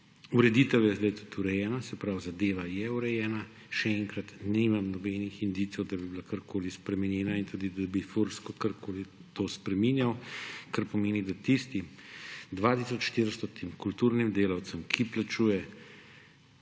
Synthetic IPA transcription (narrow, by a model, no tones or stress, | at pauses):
uɾɛd̪iːt̪əwjɛzd̪ajt̪u̥t̪ʰuɾɛjɛːnasɛpɾawzad̪eːʋajɛuɾɛjɛːna | ʃɛɛŋkɾat̪nimamnɔbɛːnixind̪iːt̪sɔwd̪abibilakaɾkʰoːlispɾɛmɛnjɛːnaint̪ud̪id̪abifuɾskɔkaɾkʰoːlit̪oːspɾɛminjawkaɾpɔmeːnid̪at̪ist̪id̪ʋat̪isɔt͡ʃʃt̪iɾst̪ɔt̪imkult̪uːɾnimd̪eːlawt̪səmkʰiplat͡ʃuːjɛ